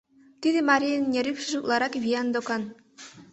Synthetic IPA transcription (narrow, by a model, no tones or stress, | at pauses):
t̪ʲid̪ʲɘ̆mɑɾʲijnnʲeɾʲypʲʃɘ̆ʒut̪lˠɑɾɑkvʲiɑnd̪okɑn